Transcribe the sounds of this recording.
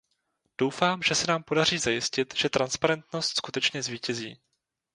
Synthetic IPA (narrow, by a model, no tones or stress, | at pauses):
d̥o̞wfaːmʒɛsɛnaːmpo̞dar̝iːzajɪscɪt̪ʒ̥ɛt̪ɾanspaɾɛnt̪no̞st̪skut̪ɛt͡ʃɲɛzviːcɛzḭː